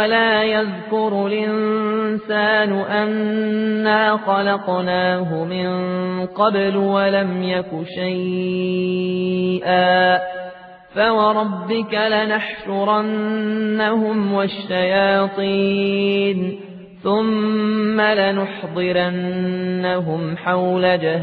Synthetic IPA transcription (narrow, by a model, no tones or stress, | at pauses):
alaːjaðkʊɾˤlʔɪnsaːnʊʔanː | aːxɑlɑqnaːɦʊmɪnqɑblwalamjakʊʃaj | ʔaː | fawɑɾˤɑbːɪkalɪnaħʃʊɾˤɑnːahʊmwaʃːajɑːt̪ˤiːn | θʊmːalɪnʊħd̪ˤɨɾanːaɦʊmħawlad͡ʒah